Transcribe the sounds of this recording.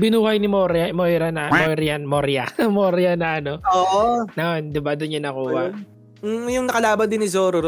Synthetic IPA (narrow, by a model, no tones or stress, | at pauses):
bɪnuːhɐjnɪmoɾjɐmojɾɐnɐmojɾjanmoɾjɐ̰moɾjɐnɐʔɐnoʔoːʔnɐʔond̪ɪbad̪ʊnɲɐnːɐkuːhɐ | jʊŋnɐkɐlaːbɐnd̪ɪnːɪzoːɾo